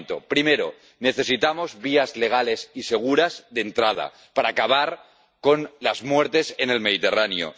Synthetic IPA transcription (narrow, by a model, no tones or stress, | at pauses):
nt̪o̰pɾimeɾo̰ | ne̞θe̞sit̪amo̞zβiazle̞ɣ̞ale̞sise̞ɣ̞uɾazðe̞nt̪ɾað̞a̰ | paɾaːkaβ̞aɾ | ko̞nlazmwe̞ɾt̪e̞sene̞lme̞ðit̪e̞ranjo̰